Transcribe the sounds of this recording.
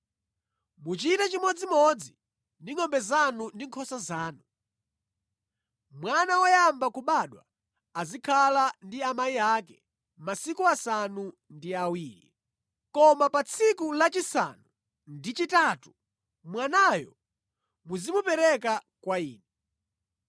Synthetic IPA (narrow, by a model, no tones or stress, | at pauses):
mut͡ʃitat͡ʃimɔd͡zimɔd͡zi | ndiŋɔmbɛzanundiŋkʰɔsazaːnu | mwanawajambakuɓaːɗwa̰ː | zikʰalandiamaiakɛ | masikuasanu | ndiawiːɾi | kɔmapat͡sʰikulat͡ʃisa̰nu | ndit͡ʃitaːtu̥ | mwanaːjɔ̰ | muzimupɛɾɛk̬a | kwaiːnɛ